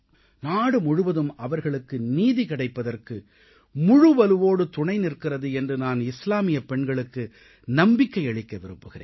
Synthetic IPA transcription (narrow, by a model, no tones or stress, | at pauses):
naːɽɯmʊɻɯʋɐðɯmɐʋɐɾɣɐɭɯkːɯniːðikɪɽɐɪpːɐðɐrkɯ | mʊɻɯʋɐlɯʋoːɽɯt̪ʊɳɐɪnɪrkːɪrɐðɯɛndrɯnaːnɪslaːmɪjɐpɛɳɡɐɭɯkːɯ | nɐmbɪkːɐɪɐɭɪkːɐʋɪɾɯmbɯɣɪrḛːn